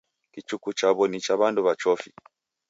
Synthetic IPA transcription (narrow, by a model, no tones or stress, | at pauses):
kit͡ʃukut͡ʃaβɔnit͡ʃaβanduβat͡ʃɔfi